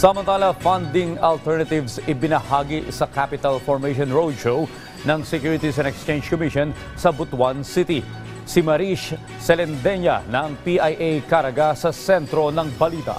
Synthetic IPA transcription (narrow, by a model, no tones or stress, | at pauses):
sɐmɐnt̪aːlɐfand̪ɪŋɐlt̪ɛɹnɐt̪ɪvsɪbɪnɐhaːɡiʔsɐkapɪt̪ɐlfɔɹmejʃonɹold̪ʃoʊ | nɐŋsɛkjuɹɪt̪isɛ̃nɛkst͡ʃẽjnd͡ʒkomiʃon | sɐbʊt̪wansit̪i | sɪmɐɾiʃ | sɛlɛnd̪ɛɲɐ̰nɐɐŋpiʔajʔejkaɾɐɡasɐsɛnt̪ɾo̞nɐŋbɐliːt̪ɐ̰